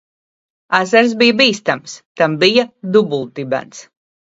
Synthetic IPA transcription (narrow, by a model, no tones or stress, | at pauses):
azaɾs̬bijabiːst̪amst̪ambijad̪ubulˠt̪ibæ̰ns